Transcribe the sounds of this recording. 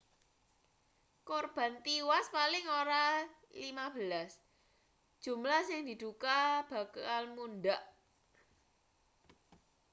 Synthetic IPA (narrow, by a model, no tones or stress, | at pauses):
korb̥ä̤nt̪iwaspalɪŋoɾalimab̥əlas | d̥ʒ̥ṳmlahsɪŋd̪̥i̤d̪̥ukab̥ä̤kalmundaʔ